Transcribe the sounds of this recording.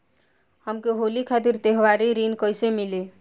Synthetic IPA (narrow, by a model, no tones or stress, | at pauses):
həmkeɦolikʰat̪iɾt̪eɦʋaɾiɾinkəjsemile